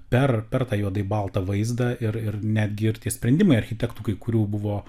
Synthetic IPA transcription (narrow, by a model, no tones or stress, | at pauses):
pʲɛrpʲɛrt̪ɑːjuɔd̪ɐɪbɐlˠt̪ɐʋɐɪzd̪ɐɪɾɪrnʲæːd̪ʲɡʲɪɪɾt̪ʲiɛsʲpʲɾʲɛnʲd̪ʲɪmɐɪɐɾʲxʲɪt̪ʲɛkt̪uːkɐɪkʊɾʲuːbʊʋoː